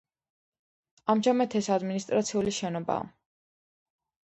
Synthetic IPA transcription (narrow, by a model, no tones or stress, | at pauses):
amʒamat̪ʰɛsad̪minist̪ʼɾat̪sʰiuliʃɛnɔba̰ː